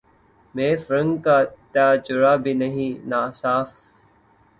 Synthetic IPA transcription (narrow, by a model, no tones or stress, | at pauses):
mẽːfɾə̃ŋɡkaːt̪jaːd͡ʒʊɾaːbʱiːnəɦĩːnaːsaːf